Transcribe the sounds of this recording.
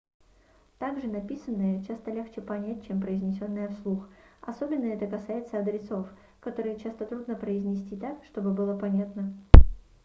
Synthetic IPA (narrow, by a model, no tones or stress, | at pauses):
t̪aɡʐɨnɐpʲisənːəjət͡ɕast̪əlʲext͡ɕɪpɐnʲæt̚ʲt͡ɕempɾəɪzʲnʲɪsʲo̞nːɨjəfslˠuxɐ̰so̞bʲɪnːəɛt̪əkɐsajɪt̪səɐd̪ɾʲɪso̞f | kɐt̪o̞ɾɨjt͡ɕast̪ət̪ɾud̪nəpɾəɪzʲnʲɪsʲtʲit̪akʂt̪o̞bɨbɨlˠəpɐnʲat̪nə